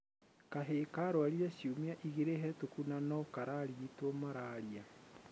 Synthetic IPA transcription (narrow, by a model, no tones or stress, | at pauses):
kaɦekaɾoaɾiasjumiaʔiɣeɾeɦɛtokunanɔkaɾaɾiitomaɾaɾia